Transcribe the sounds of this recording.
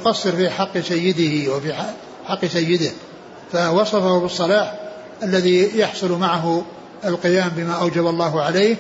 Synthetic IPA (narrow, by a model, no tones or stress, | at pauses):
qɑsːɨɾfiːħɑqːsajːɪd̪ɪhwɪfiħ | ħɑqːsajːɪd̪ɪh | fawɑsˤɑfahʊbɨsˤːɑlɑːħ | ʔalːaðijɑħsˤʊlmaʕaɦʊ | ɪlqɨjaːmbɪmaːʔawd͡ʒabalˤːɑːɦʊʕaleːh